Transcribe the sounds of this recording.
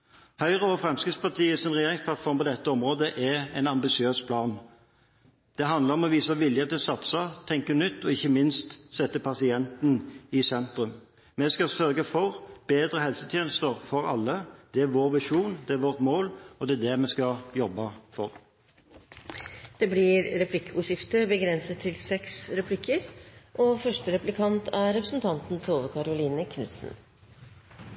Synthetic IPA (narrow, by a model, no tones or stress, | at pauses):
hœʏɾəɔʋfʁɛmskɪt̪spɑt̪ʰiːəsɔmʁɛjeːɾɪŋspʰlɑt̪fɔɾmpɔd̪ɛt̪ːəɔmɾoːd̪əʔæɛɪnɑmbɪsɪøːspʰlɑːn | d̪̥ɛɦɑnd̪ləɾɔmɔʋiːsəʋɪljət̪ʰɪlsɑt̪sɑt̪ʰɛŋkənʏt̪ːɔɪçːəmɪnst̪sɛt̪ːəpʰɑsɪɛnt̪n̩ɪsɛnt̪ɾʉm | mɛskɑsœɾɡəfɔɾb̥eːd̪ɾəhɛlsət̪ʰjeːnəst̪əɾfɔɾɑ̰lːəd̪̥ɛæɾʋoːɾʋɪʂuːnd̪ɛæɾʋɔːʁt̪moːlɔd̪ɛæd̪ɛmɛskɑjɔbːɑfɔʁ | d̪̥ɛːblɪɾɾɛpʰlɪkːəʊʂɪft̪əbəɡɾɛnsət̪ʰːɪlsɛksɾɛpʰlɪkʰːəɾʔɔfœʂʈəɾɛplɪkʰɑnt̪ʰæɾɛpɾəsn̩t̪ʰɑnt̪nt̪ʰoːʋəkʰɑɾʊliːnəkʰnʉ̰t̪sn̩